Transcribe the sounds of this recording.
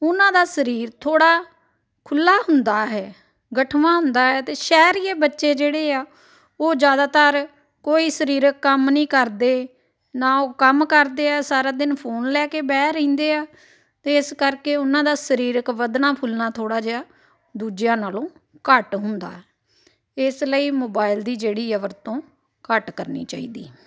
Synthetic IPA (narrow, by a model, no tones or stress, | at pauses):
ʊnãːd̪aːsəɾiːɾt̪ʰoːɽaː | kʰʊlːaːɦʊnd̪aːɦɛː | ɡəʈʰʋãːɦʊ̃nd̪aːɦɛːt̪eːʃɛːɾiːeːbətːʃeːd͡ʒeːɽeːaː | oːd͡ʒjaːd̪aːt̪əɾ | koːiːsəɾiːɾəkːəmnĩːkəɾd̪eː | naːoːkəmkəɾd̪eːaːsaːɾaːd̪ɪnpʰoːnlɛːkeːbɛːɾĩːnd̪eːaː | t̪eːɪskəɾkeːʊnãːd̪aːsəɾiːɾəkʋəd̪naːpʰʊlnaːt̪ʰoːɽaːd͡ʒeːaː | d̪uːd͡ʒjãːnaːlõː | kəʈɦʊnd̪a̰ːɛː | ɪsləiːmoːbaːɪld̪iːd͡ʒeːɽiːɛːʋəɾt̪õː | kəʈkəɾnḭːt͡ʃa̰ːḭːd̪ḭː